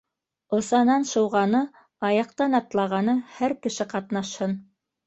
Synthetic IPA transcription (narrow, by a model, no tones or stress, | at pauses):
ŏsɑnɑnʃɤ̆wʁɑnɤ | ɑjɑq̚t̪ɑnɑt̪lˠɑʁɑnɤhæɾkɘ̆ʃɘqɑt̪nɑʃhɤn